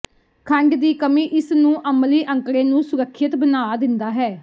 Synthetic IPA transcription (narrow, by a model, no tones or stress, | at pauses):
kʰəɳɖd̪iːkəmĩːʔɪsnũːʔəmliːʔəŋkɾẽːnũːsʊɾəkʰːjət̪bənaːd̪ɪnd̪aːɦɛː